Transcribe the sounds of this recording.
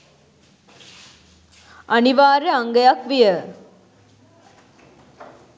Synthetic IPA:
ɐniʋaːɾeaŋɡəjakʋijə

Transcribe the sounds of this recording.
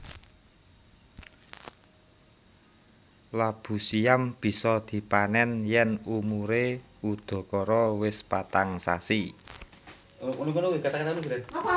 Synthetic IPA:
lab̥ṳsiamb̥i̤sɔd̪̥i̤panɛnjɛnumuɾe | ud̪̥ɔ̤kɔɾɔwɪspat̪aŋsa̰si | unukunowekat̪akat̪aunuɡiɾa

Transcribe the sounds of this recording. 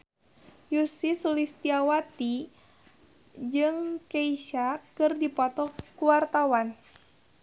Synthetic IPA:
jusisulist̪iawat̪i | d͡ʒɨŋkeiʃakɨrdipɔt̪ɔkuwart̪awan

